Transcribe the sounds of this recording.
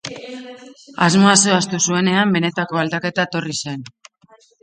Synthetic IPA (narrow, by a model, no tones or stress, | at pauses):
azmo̞asoast̪usue̞ne̞ambe̞ne̞t̪ako̞ald̪ake̞t̪aet̪o̞rise̞n